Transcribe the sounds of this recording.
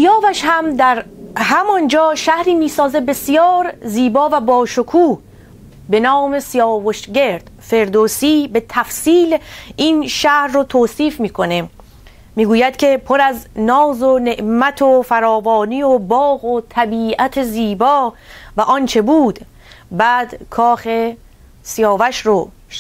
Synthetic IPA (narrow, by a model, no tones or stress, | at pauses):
ijɒːvæʃhæmd̪æɾɦæmɒnd͡ʒɒːʃæhɾiːmiːsɒːzebe̞sijɒːɾziːbɒːvæbɒːʃokʰuːh | be̞nɒːme̞sijɒːvoʃɡe̞ɾd̪̥fe̞ɾd̪oːsiːbe̞t̪ʰæfsiːlinʃæhɾːot̪ʰoːsiːfmiːkʰo̞ne | miːɡuːjæd̪̥kʲʰe̞pʰoɾæznɒːzone̞ʔmæt̪ʰofæɾɒːvɒːniːobɒːɣot̪ʰæbiːʔæt̪ʰeziːbɒːvæʔɒnt͡ʃʰe̞buːd̪̥ | bæːd̪̥kʰɒːxe̞ | sijɒːvæʃɾo